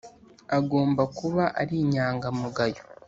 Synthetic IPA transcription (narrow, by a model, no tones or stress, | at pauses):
aɡo̞ːmbakuβaʔa̰ɾiɲaːŋɡamuɡajo